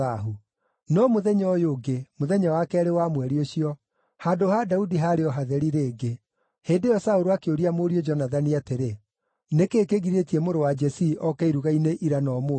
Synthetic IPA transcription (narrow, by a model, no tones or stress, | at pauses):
aɦu | nɔmoðɛɲɔjoːɡemoðɛɲɔwakɛɾewamwɛɾioɕiɔ | haːdohadaudiɦaɾeɔɦaðɛɾiɾeːɡe | heːndejɔsaoɾoakeoɾiamoɾiod͡ʒɔnaðaniateɾe | nekeːkeɣiɾetiɛmoɾowad͡ʒɛsiʔɔkɛiɾuɣaineʔiɾanɔmo